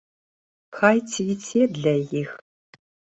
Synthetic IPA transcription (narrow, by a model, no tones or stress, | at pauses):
xaːjtʰjitʰeːdɮɐjɪx